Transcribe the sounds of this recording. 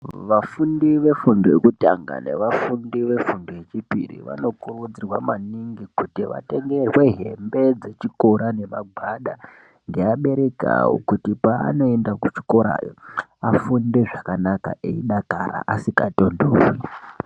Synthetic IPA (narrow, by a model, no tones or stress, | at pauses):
ʋafundiʋe̞fundoekuta̰ŋɡa̰ne̞̰ʋafundiʋe̞fundoet͡ʃipḭrḭʋa̰no̞kurud͡zirwamaniŋɡikutiʋa̰te̞ŋɡe̞rwe̞ɦe̞mbe̞d͡ze̞t͡ʃiko̞ɾane̞maɡ͡bʱaɗa | ŋɡe̞aɓe̞ɾe̞ka̰wo̰kutipa̰ːno̞endakut͡ʃi̥koɾa̰ːjo̰afunde̞ʐakanaka̰ʔeiɗakaɾa̰ʔasikato̞ndowi